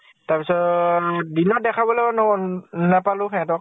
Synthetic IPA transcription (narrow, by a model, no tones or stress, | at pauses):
taɹpisɔtdinɔt̚dɛkʰabɔlɛɔnɔɔnnɛpalʊkʰɛ̃tɔ